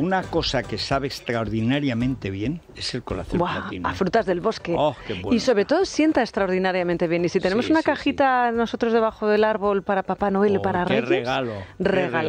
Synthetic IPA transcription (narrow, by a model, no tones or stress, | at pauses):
unako̞sakesaβeːst̪ɾaoɾðinaɾjamẽnt̪e̞βje̞n | eselkola̰θobwainafɾut̪azðe̞lβo̞skeokewiso̞βɾe̞t̪o̞ðo̞sje̞nt̪aekst̪ɾaoɾðinaɾjamẽnt̪e̞βje̞nisit̪e̞nemo̞sunakaxit̪ano̞so̞t̪ɾo̞zðe̞βaxoðe̞laɾβo̞lpaɾapapanoelpaɾareresaloreɣala